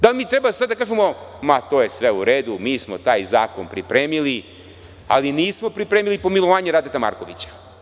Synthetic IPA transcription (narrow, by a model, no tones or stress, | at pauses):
d̪alimiːt̪ɾebasad̪d̪akaːʒemo̞mat̪oːje̞sʋeuɾeːd̪umiːsmo̞t̪aːjza̰ːkonpɾipɾeːmili | a̰liniːsmo̞pɾipɾeːmilipo̞milˠoʋaːɲeɾaːd̪et̪ama̰ɾkoʋit͡ɕḁ